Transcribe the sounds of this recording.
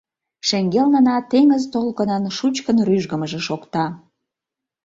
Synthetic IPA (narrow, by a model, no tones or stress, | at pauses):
ʃeŋɡelnənɑt̪eŋəzt̪olkə̆nɑnʃut͡ɕkənryʒɡə̆məʒĕʃokt̪ɑ